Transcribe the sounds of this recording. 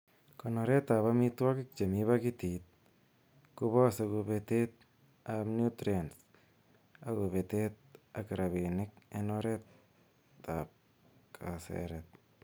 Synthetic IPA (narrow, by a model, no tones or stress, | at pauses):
konoɾet̪ːaβamitwakik̚t͡ʃemiβakit̪it̪̚ | kuβɔsekubet̪et̪̚ | abnjut̪ɾens | aɣoβet̪et̪̚akɾaβenɪk̚enoɾet̪ː | a̰p̚ | kʰasḛɾet̪̚